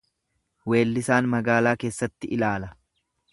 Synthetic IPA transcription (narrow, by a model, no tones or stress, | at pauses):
we̞ːlːɪsaːnmɐɡaːlaːke̞ːsːɐt̪ːɪʔɪlaːlɐ